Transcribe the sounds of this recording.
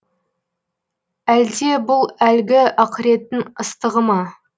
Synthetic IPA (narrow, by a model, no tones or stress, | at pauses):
æld̪e̞bʊlˠælɡʲɪɑqəɾe̞t̪ɪnəst̪əʁəmɑ